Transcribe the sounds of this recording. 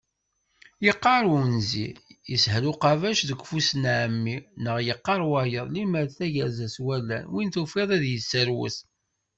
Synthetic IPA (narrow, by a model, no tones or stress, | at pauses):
jəqːɑɾˤunzḭjəshluqɑvæʃðəɡʷfusnʕəmːinəʁjəqːɑɾˤwajəðˤliməɾθæʝæzæswælːæ̰nwint̪ufiðˤæðjəsːəɾwə̰s